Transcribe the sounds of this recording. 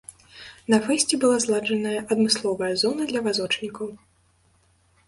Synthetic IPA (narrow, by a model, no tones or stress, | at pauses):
nɐfɛsʲt͡sʲɛbɨlˠazlˠad͡ʐɐnɐjɐʔɐd̪mɨslˠɔvɐjɐzɔnɐd̪lʲɐvazɔt͡ʂnʲikɐw